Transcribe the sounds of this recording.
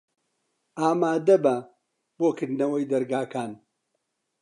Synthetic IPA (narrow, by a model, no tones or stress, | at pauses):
aːmaːd̪ɐbɐ | b̥oːkɨɾd̪nɐwɐjd̪ɐɾɡaːkaːn